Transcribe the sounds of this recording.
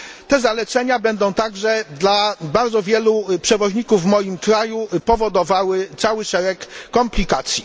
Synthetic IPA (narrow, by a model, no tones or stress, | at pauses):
t̪ɛzalɛt̪sɛɲabɛnd̪ɔ̃w̃t̪aɡʐɛd̪labaɾd̪zɔvʲjɛlupʂɛvɔʑɲikuvːmɔjimkɾajupɔvɔd̪ɔvawɘt̪sawɘʂɛɾɛkːɔmplʲikat̪sʲji